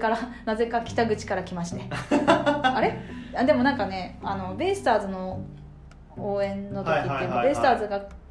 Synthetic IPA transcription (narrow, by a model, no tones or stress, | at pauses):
kaɾanaze̞kakʲi̥t̪aɡɯt͡ɕi̥kaɾakʲimaɕi̥t̪e̞ | aɾead̪e̞mo̞nãŋkane̞ano̞be̞sɨ̥t̪aːzɨno̞ | oːẽ̞nːo̞t̪okkʲit̪ːemobe̞sɨ̥t̪aːzɨɡa